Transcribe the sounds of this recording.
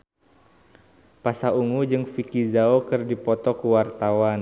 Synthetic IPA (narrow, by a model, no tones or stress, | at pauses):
pasauŋud͡ʒɨŋfikizaokɨrdipɔt̪ɔkuwart̪awan